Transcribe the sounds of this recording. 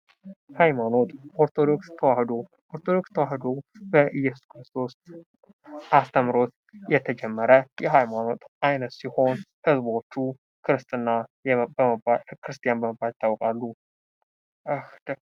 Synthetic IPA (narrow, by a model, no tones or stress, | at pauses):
hajmano̞t̪ʼo̞ɾt̪ʰo̞d̪o̞kst̪ʰəwahd̪o̞ | ʔoɾt̪ʰod̪o̞kst̪ʰːəwahd̪o̞bəʔɨjːɛsu̥skɾɨst̪ʰo̞s | ʔast̪ʰəmɾo̞t̪ | jɛt̪ʰəd͡ʒɛmːəɾəjɛɦajmano̞t̪ʼʔajnət̪siho̞nhɨzbo̞t͡ʃːu | kʰɨɾɨst̪ʼɨnːa | bakʰɨɾɨst̪ʰʼijanbəməbːalt̪ʰːawkʼalːu | ɨxd̪